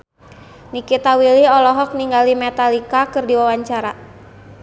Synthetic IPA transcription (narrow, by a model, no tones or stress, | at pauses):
nikit̪awiliɔlɔɦɔk̚niŋɡalimɛt̪alikakɨrdiwawaɲt͡ʃaɾa